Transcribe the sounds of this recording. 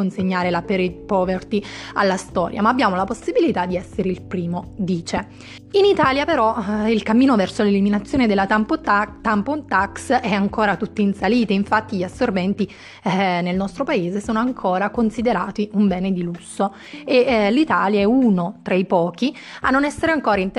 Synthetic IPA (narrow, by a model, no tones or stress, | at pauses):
onseɲːaːɾelapeɾepɔːvert̪ia̰lːast̪ɔ̰ːɾja̰maːbːjaːmolaposːibilit̪ad̪ːiɛsːeɾeilpɾiːmod̪iːt͡ʃe | init̪aːljapeɾɔilkamːiːnovɛrsoleliminat̪sːjoːned̪elːat̪ampot̪ampont̪aksɛaŋkoːɾat̪ut̪ːiːnsaliːt̪iiɱfat̪ːiʎiasːorvɛnt̪i | nelnɔst̪ɾopaeːzesoːnoaŋkʰoːɾakonsid̪eɾaːt̪iumbɛːned̪ilusːo | elit̪aːljaɛunot̪ɾaipɔːk̟i | anːonɛsːeɾeaŋkoːɾaint̪